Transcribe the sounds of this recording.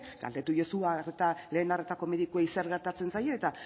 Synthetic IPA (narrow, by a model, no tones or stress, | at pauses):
ɡa̰ld̪e̞t̪uʝesuaret̪ale̞ːnare̞t̪ako̞me̞ðikuejseɾɣe̞ɾt̪at͡se̞nsajo̞ːt̪a